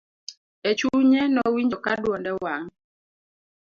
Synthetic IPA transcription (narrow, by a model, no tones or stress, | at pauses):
et͡ʃuɲɛnɔwiɲd͡ʒɔkadwɔndɛwaŋ